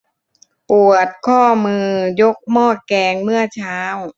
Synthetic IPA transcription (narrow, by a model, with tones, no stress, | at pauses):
pu˨˩ət̪̚kʰɔː˥˩mɯː˧jo˦˥k̚mɔː˥˩t̪̚kɛː˧ŋmɯ˥˩ɐt͡ɕʰaː˦˥w